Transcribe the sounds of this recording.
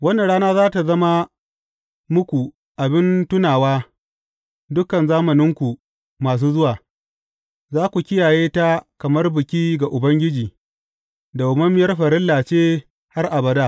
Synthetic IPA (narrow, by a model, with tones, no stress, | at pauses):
wɐ˦na˨ɽaː˦naː˦zaː˦ta˨zɐ˦ma˦ | mʊ˦kʷu˨ | ʔa˨bɪ˦ntʊ˦naː˨waː˦ | dʊ˦kɐ˨nzaː˦mɐ˨nɪ˦ŋkʷu˨ | maː˨s̬uː˦zʊ˦waː˨ | zaː˦kʷu˨kʲɪ˦jaː˨jeː˦ta˦kɐ˨mɐ˦rbɪ˨kʲiː˦ɡa˨ʔʊ˨bɐ˦ŋɡʲɪ˦d͡ʒiː˨ | da˨ʔʊ˨mɐ˦m˦jɐ˦rɸɐ˨ɾɪ˦lːaː˨t͡ʃeː˦ | ha˦rʔa˨bɐ˦daː˦